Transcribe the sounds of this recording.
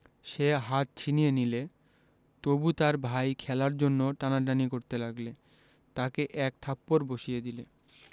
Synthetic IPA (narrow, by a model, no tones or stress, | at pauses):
ʃeɦat̪̚t͡ɕʰinijenile | t̪obut̪aɾbʱajkʰɛlaɾd͡ʑonːoʈanaʈanikoɾt̪elaɡle | t̪akeʔɛk̚t̪ʰapːoɾboʃijed̪ile